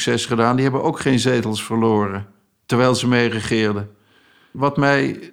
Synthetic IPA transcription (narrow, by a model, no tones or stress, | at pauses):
ksɛsχədaːndiɦɛbənʔowkχejnzejtəlˠsfəɹlʊːrə | təɹʋɛjlˠzəmejrəχɪːɹdə | ʋɑtmɛj